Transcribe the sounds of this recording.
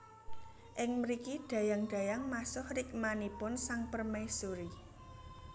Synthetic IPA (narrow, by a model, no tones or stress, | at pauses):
ʔɪŋməɾikiɖ̥ä̤jaŋɖ̥ä̤jaŋmasʊhrɪk̚manipʊnsaŋpərmejsuɾi